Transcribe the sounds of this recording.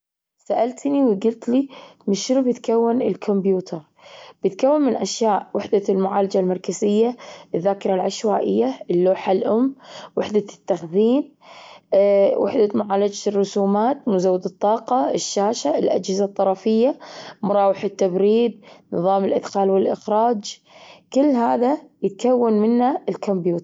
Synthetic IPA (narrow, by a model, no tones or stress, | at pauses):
saʔalt̪niwɡʊlt̪limɪʃʊɾbɪt̪kawːɪnɪlkʰʊmbjuːt̪ʰɑɾˤ | b̥ɪt̪kawːɪnmɪnʔaʃjaːʔwɪħd̪almʊʕaːlad͡ʒalmɑɾˤkazɪjːaɪðːaːkɪɾˤalʕaʃwaːʔɪjːaɪlːoːħalʔʊmːwɪħd̪at̪ːaxðiːn | wʔɪ̰ħd̪amʊʕaːlad͡ʒarˤːʊsuːmaːt̪mʊzawːɪd̪ɨt̪ˤːɑːqɑɪʃːaːʃalʔa̰d͡ʒhɪzat̪ˤːɑɾˤɑfɪjːamʊɾˤɑːwɪħɪt̪ːabɾiːd̪̚nɨ̰ðˤɑːmɪlʔɪd̪xaːlwɪlʔɪxɾɑːd͡ʒ | kɪlːɦaːðajɪt̪̚kawːanmɪnːaɪlkʊmbjuːt̪